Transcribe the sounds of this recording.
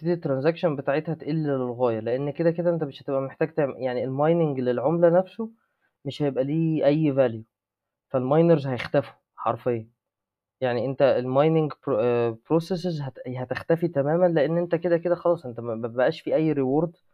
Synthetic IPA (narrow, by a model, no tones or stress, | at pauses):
ed̪it̪ːɾˤɑnzækʃonbet̪aːʕet̪hæt̪ʔelːelelɣæːjɑleʔenːked̪æked̪æʔent̪æmeʃhæt̪ebʔæmeħt̪æːɡ̚t̪eʕjaʕnielmɑjneŋɡlelʕomlænæfso | meʃhæjebʔæliːʔæjːvælju | fælmɑjnɑɾzhæjext̪æfu̥ | ħɑ̰ɾˤfejːɑ | jaʕniʔent̪æelmɑjneŋɡpɾosesezɦæhæt̪ext̪æfit̪æmæːmænleʔenːʔent̪æked̪æked̪æxɑlɑːsˤʔent̪æmææbæbæʔæːʃfiːʔæjːɾewoɾˤd̪